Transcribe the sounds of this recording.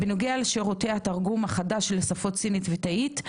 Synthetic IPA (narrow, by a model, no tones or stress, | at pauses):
benoɡealʃeʁutejhataʁɡumhaχadaʃlesafo̞tt͡sinitvetait